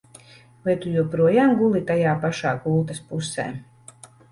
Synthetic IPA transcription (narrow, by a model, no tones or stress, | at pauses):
lˠajt̪ujuɔpɾuɔjaːmɡulˠit̪ajaːpaʃaːkulˠt̪aspusɛ̰ː